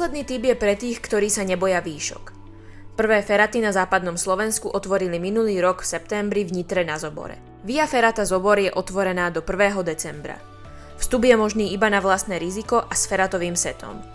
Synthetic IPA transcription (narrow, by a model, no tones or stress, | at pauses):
slɛd̪niːt̪ibjɛpɾɛt̪iːxkt̪ɔɾiːsaɲɛbɔjaʋiːʃɔ̰k | pr̩ʋɛːfɛɾat̪inazaːpad̪nɔmslɔʋɛnskuʔɔt̪ʋɔɾiliminuliːɾɔɡfsɛp̚t̪ɛmbɾivɲit̪ɾɛnazɔbɔ̰ɾɛ̰ | ʋiafɛɾat̪azɔbɔɾjɛʔɔt̪ʋɔɾɛnaːd̪ɔpr̩ʋɛːɦɔd̪ɛt͡sɛmbɾa̰ | fst̪ubjɛmɔʒniːibanaʋlast̪nɛːɾizikɔʔasfɛɾat̪ɔʋiːmsɛt̪ʰɔ̰m